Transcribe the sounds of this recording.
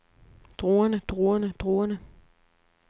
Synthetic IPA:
d̥ʁoːɐnəd̥ʁuːɐnəd̥ʁoːɐnə

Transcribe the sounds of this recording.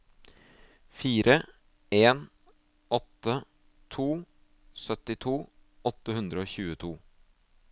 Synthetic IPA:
fiːɾə | eːn | ɔt̪ːə | t̪ʰuː | sœt̪ɪt̪ʰuː | ɔt̪ːəhʉnd̪ɾəoːçʉːət̪ʰuː

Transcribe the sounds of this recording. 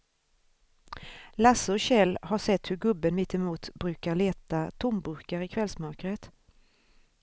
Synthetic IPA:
lasəɔɕɛlːhaʂɛt̪ːhɵɾɡɵbːənmɪt̪ːɪmuːt̪bɾʉ̟ːkaɾɭeːt̪at̪ʰʊmbɵɾkaɾɪkʰvɛlsmœɾkɾət̪

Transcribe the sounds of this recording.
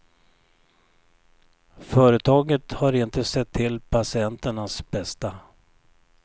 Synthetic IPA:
fœːɾət̪ʰɑːɡət̪haɾɪnt̪əsɛt̪ʰːɪlːpʰasɪɛnt̪əɳasbɛst̪a

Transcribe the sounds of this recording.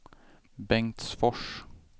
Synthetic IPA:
bɛŋt̪sfɔʂ

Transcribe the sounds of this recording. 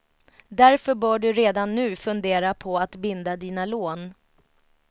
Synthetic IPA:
d̪æɾfœbœːɖɵɾeːd̪anːʉ̟ːfɵnd̪eːɾapʰɔat̪bɪnd̪ad̪iːnaloːn

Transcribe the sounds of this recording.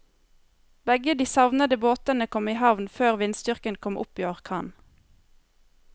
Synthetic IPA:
bɛɡəd̪iːsɑʋnəd̪əboːt̪ənəkʰɔmiːhɑʋnføːʁʋɪnst̪ʏʁkənkʰɔmʔʊ̰piːɔʁkʰɑːn

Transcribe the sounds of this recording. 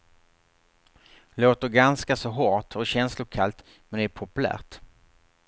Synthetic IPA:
loːt̪əɾɡanskasɔɦɔʈʰɔɕɛnslʊkʰalt̪ | mɛnd̪ɛɛɾpʰʊpɵlæ̰ːʈ

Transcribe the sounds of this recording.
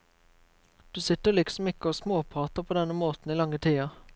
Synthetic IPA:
d̪̥ʉːsɪt̪əʁlɪksɔm̩ɪkəoːsmoːpʰʁɑːt̪əʁpʰoːd̪ɛnəmoːt̪n̩iːlɑŋət̪ʰiːɑ

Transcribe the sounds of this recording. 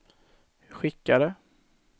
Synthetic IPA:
ɧɪkːaɾə

